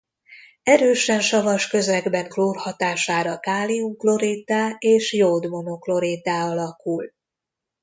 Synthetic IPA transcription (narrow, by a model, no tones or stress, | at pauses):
ɛɾøːʃɛnʃɒvɒʃkø̞zɛɡbɛŋkloːrhɒt̪aːʃaːɾɒkaːliuŋklo̞ɾiːt̪aːeːʃjod̪mo̞noklo̞ɾit̪aːɒlɒkul